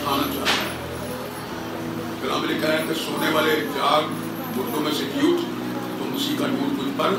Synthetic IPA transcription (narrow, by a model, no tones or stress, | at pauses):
aːnat͡ʃa̰ːɦt̪aɦɛ | ɡəɾa̰ːmlikɛɾɛ̃k̪esoːneʋaːled͡ʒaːɡ | bʊʈːõmẽseɡjuːʈ | t̪omʊsikaɖuːʈ̚kʊd͡ʒpəɾ